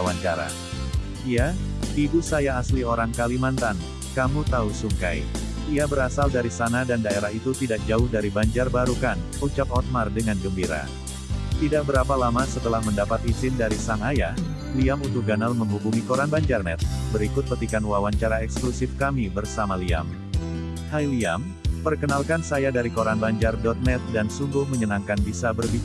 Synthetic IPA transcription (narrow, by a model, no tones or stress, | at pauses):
awaɲt͡ʃaɾa̰ | ijaibusajaːslioɾaŋkalimant̪an | kamut̪ausuŋka̰j | iabəɾasaldaɾisanadandaeɾahit̪ut̪idak̚d͡ʒaʊhdaɾibaɲd͡ʒarbaɾukan | ut͡ʃak̚ɔt̪̚mardəŋanɡəmbiɾa̰ | t̪idak̚bəɾapalamasət̪əlahməndapat̪izɪndaɾisaŋaja | liamunt̪ʊk̚ɡanalməŋɦubuŋikoɾanbaɲd͡ʒarnɛ̰t̪̚bəɾikʊt̪̚pət̪ikanwawaɲt͡ʃaɾaɛksklusɪfkamibərsamalia̰m | hajliam | pərkənalkansajadaɾikoɾanbaɲd͡ʒardɔt̪̚nɛt̪̚dansuŋɡʊhməɲənaŋkanbisabərbi